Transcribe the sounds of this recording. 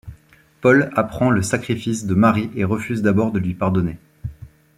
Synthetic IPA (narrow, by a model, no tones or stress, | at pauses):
pɔlapχɑ̃ləsakχifisd̪əmaʁiʔeʁəfyzd̪abɔʁd̪əlɥipaʁd̪ɔne